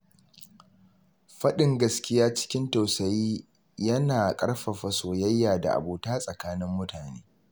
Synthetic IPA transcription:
ɸɐ˦ɗɪ˨ŋɡɐ˦skʲɪ˦jaː˦t͡ʃɪ̥˦kʲɪ˦nta˨wsɐ˨jiː˦ | jɐ˦naː˨kʼɐ˦ɽɸɐ˨ɸɐ˨soː˨jɐ˦jːaː˨da̰˨ʔa̰˨boː˨taː˦sʼɐ˨kaː˦nɪ˦mːʊ˦taː˨nḛː˦

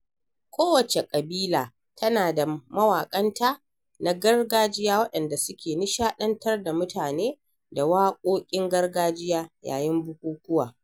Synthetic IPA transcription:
kʷoː˦wɐ˨t͡ʃe˨kʼɐ˨biː˦laː˨ | tʰɐ˦naː˨da˨mɐ˦waː˨kʼɐ˦ntaː˦ | na˦ɡɐ˦rɡaː˦d͡ʒɪ˦jaː˦wɐ˦ɗɐ˨nda˨sʊ˦kʲeː˨nɪ˦ʃaː˦ɗɐ˦ntɐ˦rda˨mʊ˦tʰaː˨neː˦ | da˨waː˦kʷʼoː˦kʲʼɪ˦ŋɡɐ˦rɡaː˦d͡ʒɪ˦jaː˦ja̰ː˨jɪ˦mbʊ˦kʷuː˦kʷʊ˦waː˨

